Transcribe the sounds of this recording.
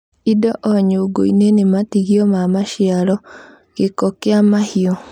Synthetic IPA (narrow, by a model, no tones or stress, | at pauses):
idɔʔɔɲoɡo̰inenematiɣiɔmamaʃialɔ | ɡekɔkeamahiɔ